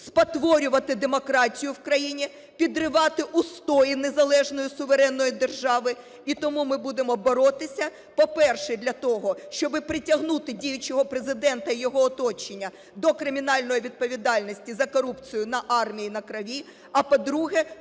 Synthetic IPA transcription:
spɐt̪ʋɔɾʲʊʋɐt̪ɪd̪emɔkɾɑtʲijʊwkɾɐjinʲi | pʲid̪rɪʋɑt̪ɪʔust̪ɔjinezɐlˠɛʒnɔjʊsʊʋeɾɛnːɔjid̪erʒɑʋɪ | it̪ɔmumɪbud̪emɔbɔɾɔt̪ɪsʲɐ | pɔpɛrʃɛd̪ʲlʲɐt̪ɔɦɔʃt͡ʃɔbɪpɾɪtʲɐɦnut̪ɪdʲijʊt͡ʃɔɦɔpɾezɪd̪ɛnt̪ɐijɔɦɔːt̪ɔt͡ʃenʲːɐ | d̪ɔkɾɪmʲinɑlʲnɔjiʋʲid̪̚pɔʋʲid̪ɑlʲnɔsʲtʲizɐkɔɾupt͡sʲijʊnɐʔɑrmʲijinɐkɾɐʋʲi | ɐpɔd̪ɾuɦɛ

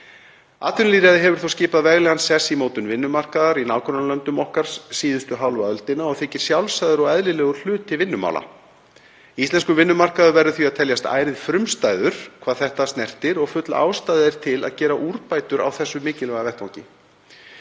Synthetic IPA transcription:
a̰ːt̪ʏnliɾɛðɪɦɛvʏɾ̥θowscɪːpaðvɛɣlɛːɣansɛsːimoːwt̪ʏnvɪnːʏmar̥kaðaɾinaːwkʰɾɔnalœnt̪ʏmɔhkaɾ̥sːiːðʏst̪ʏɦawlvaœlt̪ɪnaɔɣθɪːcɪɾ̥sjawlsajðʏɾɔɣɛðlɪlɛːɣʏ̥l̥ʏːt̪ɪvɪnːʏma̰wlʔa̰ | ist̪ɛnskʏvɪnːʏmar̥kaðʏɾvɛɾːʏθviaðt̪ʰɛljast̪a̰ːjɾɪðfɾʏmst̪ajðʏɾ̥kʰvaːðθɛht̪ast̪nɛr̥t̪ɪɾɔɣfʏt̪laa̰wst̪ajððɪɾ̥t̪ʰɪla̰ðcɛːɾaʔuɾpaːjt̪ʏɾa̰wθɛsːʏmɪːcɪlɛːɣavɛht̪vawŋcɪ

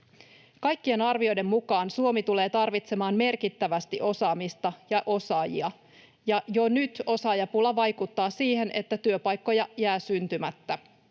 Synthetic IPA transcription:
kɑjkːie̞nɑrʋio̞jde̞mːukɑːnsuo̞mit̪ule̞ːt̪ɑrʋit̪se̞mɑːnme̞rkit̪ːæʋæst̪iʔo̞sɑːmist̪ɑjɑʔo̞sɑːjḭɑ | jɑjo̞nyt̪o̞sɑːjɑpulːɑʋɑjkut̪ːɑːsiːhe̞ne̞t̪ːæt̪yøpɑjkːo̞jɑjæːsynt̪ymæt̪ːæ

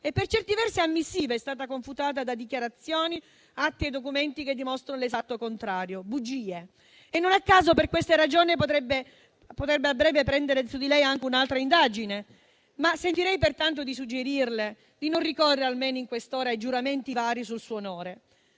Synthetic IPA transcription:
epːert͡ʃɛrt̪ivɛrsiamːisːiːveɛst̪aːt̪akoɱfut̪aːt̪̬ad̪ad̪ikjaɾat̪sːjoːni | at̪ːied̪ːok̬ument̪ik̟ed̪ːimɔst̪ɾanolezat̪ːokont̪ɾaːɾjobud͡ʒiːe | enːonakːaːzoperkwest̪aɾad͡ʒoːnipot̪ɾɛbːe | pot̪ɾɛbːeabːɾɛːvepɾɛnd̪eɾesud̪ilɛjaŋk̟eunalt̪ɾaind̪aːd͡ʒine | masːent̪iɾɛjpert̪ant̪̬od̪is̬ud͡ʒːeɾirle | d̪inonrikɔrːeɾalmeːnoiŋkwest̪oːɾaajd͡ʒuɾament̪ivaːɾis̬ulsuːnoːɾe

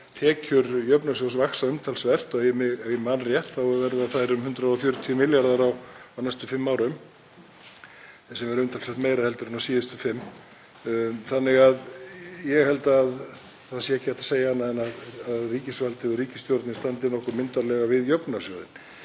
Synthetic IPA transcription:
t̪ʰɛːcʏɾjœpnasjowsvaksaʏmt̪ʰalsvɛr̥t̪ɔɣɛmɪɪmaːnrjɛht̪θawvɛɾðaθajɾʏmhʏnt̪ɾaɔfjœːɾʏt̪ʰiʏmɪljaɾðaɾawawnajst̪ʏfɪmːaːwɾʏm | sɛmvɛɾʏmt̪ʰalsvɛɾ̥t̪mejɾahɛlt̪ʏɾnasiːðɪst̪ʏfɪmː | θanːɪɣaðjɛɣhɛlt̪aːð | θaðsjɛɛhcɪɛt̪ḁseːjahanːaðɛnaðaðriːcɪsvalt̪ɪðʏriːcɪst̪jɔɾt̪nɪnst̪ant̪ɪnɔhkʏɾmɪnt̪aɾlɛɣavɪðjœpnasjowðɪn

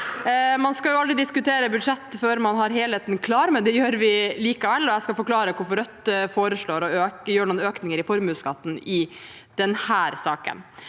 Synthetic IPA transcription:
mɑnskɑjʊɑld̪ɾɪd̪ɪskʉt̪ʰeːɾəbʉd̪ʂɛt̪ːføːɾmɑnɦɑɾɦeːlheːt̪nkʰlɑːɾmɛd̪ɛjøːɾʋɪliːkəʋɛlːɔɛskɑfɔɾkʰlɑːɾəkʊɾfɔɾœt̪ːfoːɾəʂɭoːɾɔøːjøːɳuːnøːknɪŋəɾɪfɔɾmʉːskɑt̪ːn̩ɪ | d̪̥ɛnhæːɾsɑːkə̰n

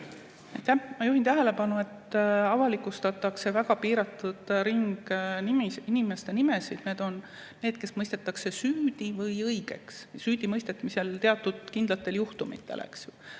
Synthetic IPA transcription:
ɑjt̪ːæhmɑjuɦint̪æɦele̞pɑnue̞t̪ɑvɑlikˑust̪ɑt̪ːˑɑkse̞væɡ̥ɑpiːɾɑt̪ːˑud̪̥ɾiŋɡ̥nimiinime̞st̪e̞nime̞sid̪̥ne̞ːd̪̥o̞nː | e̞ːd̪̥ke̞smɤjst̪e̞t̪ːˑɑkse̞syːd̪̥ivɤjɤjɡ̥e̞̰kssyːd̪̥imɤjst̪et̪ːmise̞lt̪e̞ɑt̪ːˑud̪̥kind̪̥lɑt̪ːˑe̞ljuht̪umḭt̪ːˑḛlʔḛksju

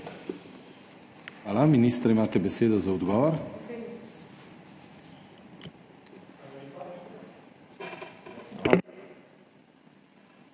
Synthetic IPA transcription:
alaminiːst̪ɾɛimaːt̪ɛbɛseːd̪ɔzaɔd̪ɡɔːʋɔɾ | a

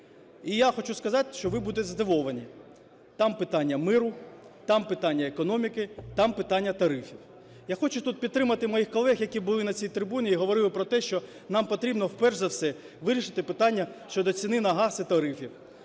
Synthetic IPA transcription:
ijaxɔt͡ʃuskɐzɑt̪ɪ̥ʃt͡ʃɔʋɪbud̪ɛzd̪ɪʋɔʋɐnʲi | t̪ɑmpɪt̪ɑnʲːɐmɪɾʊ | t̪ɑmpɪt̪ɑnʲːɐekɔnɔmʲikɪt̪ɑmpɪt̪ɑnʲːɐt̪ɐɾɪfʲiw | jaxɔt͡ʃʊt̪ut̪̚pʲid̪̚t̪ːɾɪmɐt̪ɪmɔjixkɔlˠɛxjɐkʲibʊlˠɪnɐt͡sʲijt̪ɾɪbunʲiiɦɔʋɔɾɪlˠɪpɾɔt̪ɛʃt͡ʃɔ | nɑmpɔt̪ɾʲibnɔwpɛrʒzɐwsɛ | ʋɪɾʲiʃɪ̥t̪ɪpɪt̪ɑnʲːɐʃt͡ʃɔd̪ɔt͡sʲinɪnɐɦɑsɪt̪ɐɾɪfʲiw

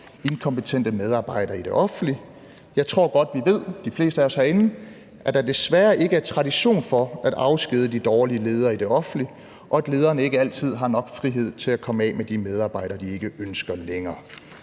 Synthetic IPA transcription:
e̝nkʰɒ̽mpət͡sʰen̰d̥əmeð̞ˠɑ̈ːb̥ɑ̈ɪ̰ɾ̥ɐːid̥e̝ʔɒ̽fn̩li | jɑ̈ɪt͡sʰʁo̝ɐ̰ɡ̥ɒ̽d̥ʋiʋe̝ð̞̰ˠd̥ifle̝̰ːsd̥əæɒshæɐe̝nn̩ | ʔæd̥ɑ̈d̥e̝sʋæːɐʔe̝ɡ̥əæɐt͡sʰʁɑ̈ɾiɕo̝̰ːnfɒ̽æd̥ɑ̈ʊsɡ̥eðˠəd̥id̥ɒːliəle̝ːð̞ˠɐːid̥e̝ɒ̽fn̩li | ʔɒ̽æd̥le̝ːðˠɐːnəe̝ɡ̥əæl̰t͡sʰið̞̰ˠɦɑ̈nɒ̽ɡ̥fʁiɦe̝ð̞̰ˠt͡sʰe̝lækʰɒ̽məɛ̰ːmed̥imeð̞ˠɑ̈ːb̥ɑ̈ɪ̰ɾ̥ɐd̥ie̝ɡ̥əønsɡ̥ɐleŋɐː

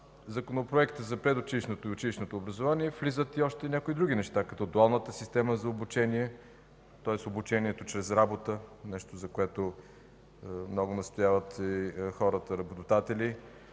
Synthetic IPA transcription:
zɐkonopɾoɛkt̪əzɐpɾɛd̪ʊt͡ʃiliʃnot̪oiʊt͡ʃiliʃnot̪oːbɾəzovaniɛflizət̪iɔʃt̪ɛnʲakoid̪ɾuɡʲinɛʃt̪akɐt̪ɔd̪ʊalˠnət̪əsist̪ɛməzɐobut͡ʃɛniɛ | t̪ɔɛsobut͡ʃɛniɛt̪ot͡ʃɾɛzɾabot̪ənɛʃt̪ozɐkoɛt̪o | mnɔɡʊnɐst̪ojavət̪ixɔɾət̪əɾɐbot̪od̪at̪ɛli

